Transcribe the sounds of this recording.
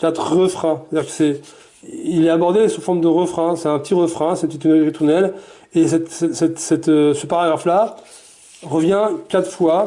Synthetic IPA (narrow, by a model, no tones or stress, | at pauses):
kʲat̪χʁəfχɛ̃st̪ad̪iːʁkə̥sɛ | ilɛabɔʁd̪esufɔʁmd̪əʁəfχɛ̃sɛt̪ɛ̃pət̪iʁəfχɛ̃sɛət̪it̪ynɛʁit̪uʁnɛl | esɛt̪sɛsɛt̪sɛt̪øsəpaʁaɡʁafla | ʁəvjɛ̃kʲat̪χfwa